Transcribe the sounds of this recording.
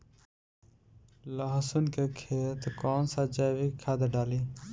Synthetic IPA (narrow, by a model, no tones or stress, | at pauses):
ləɦsunkekʰeːt̪kɔːnsad͡ʒabikʰːaːd̪eɖaːliː